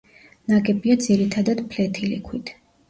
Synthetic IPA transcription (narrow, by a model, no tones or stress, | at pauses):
naɡɛbiad̪ziɾit̪ʰad̪ad̪pʰlɛt̪ʰilḭkʰwit̪ʰ